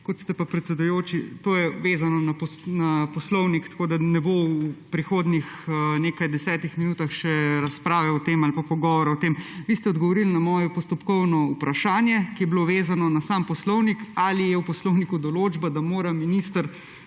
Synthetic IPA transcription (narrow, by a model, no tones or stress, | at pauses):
kɔt̪st̪ɛpapɾɛt̪sɛd̪ujoːt͡ʃit̪oːjɛʋeːzanɔnapɔnapɔslɔwnikt̪ḁkoːd̪anɛbowupɾixoːd̪nixneːkajd̪ɛsɛːt̪ixminuːt̪axʃɛɾaspɾaːʋɛɔt̪emalpapɔɡɔʋɔɾaɔt̪eːmʋist̪ɛɔd̪ɡɔʋɔɾilnamɔːjɔpɔst̪ɔpkɔwnɔupɾaʃaːnjɛkijɛbiloʋeːzanɔnasampɔslɔwnikalijɛwpɔslɔwnikud̪ɔloːd͡ʒbad̪amoːɾaminist̪əɾ